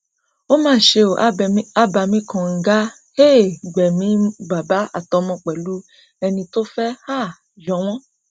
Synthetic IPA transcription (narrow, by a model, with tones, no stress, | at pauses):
o˦mãː˦˨ʃe˧o˨a˦ba˧˨mĩ˦kʰã˧˨ŋ̩˨ɡa˦ | he˦˨ɡ͡bɛ˨mĩ˨˦ɡ͡ba˨ba˨˦a̰˨tɔ˨˧˦mɔ̃˧k͡pɛ˨lu˨˦ | ɛ˧nĩ˧to˦fɛ˦ha˦˨ | jɔ̃˨˦w̃ɔ̃˦